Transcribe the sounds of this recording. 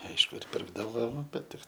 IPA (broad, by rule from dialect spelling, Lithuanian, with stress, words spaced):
ˈɐɪʃkʊ ɪr ˈpʲɪrɡdɐʋoː ˈbʲɛt ˈtʲɪk